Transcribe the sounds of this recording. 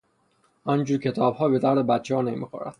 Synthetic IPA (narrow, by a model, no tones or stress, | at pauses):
ɒnd͡ʒuːɾcʰet̪ʰɒːbhɒːbe̞d̪æɾd̪ebæt̪t͡ʃʰːehɒːnemḭːxo̰ɾæ̰d̪̥